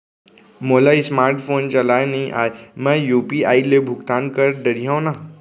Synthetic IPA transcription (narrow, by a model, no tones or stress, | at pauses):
moːlaismaːɾʈfʰoːnt͡ʃɐlaːenɐɦĩʔaːemɛ̃juːpiaːilebʱʊɡt̪aːnkəɾɖəɾijãna